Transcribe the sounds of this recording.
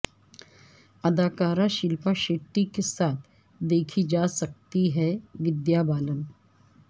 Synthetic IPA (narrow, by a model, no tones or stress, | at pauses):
ɐd̪aːkaːɾãʃɪlpaʃeːʈːikesaːt̪ʰ | d̪eːkʰid͡ʒaːsɐk̚t̪iɦɛʋɪd̪jabaːlən